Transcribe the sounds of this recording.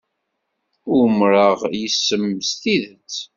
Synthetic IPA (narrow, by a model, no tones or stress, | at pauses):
ʊmɾəʁjəsːəmːəst̪iðət͡sː